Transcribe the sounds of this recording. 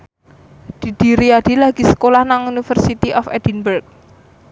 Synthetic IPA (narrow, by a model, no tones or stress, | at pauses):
d̪̥i̤d̪̥i̤ɾiad̪̥i̤laɡ̥i̤sə̥kolahnaŋunifərsit̪iʔɔfɛ̰d̥inbərk̚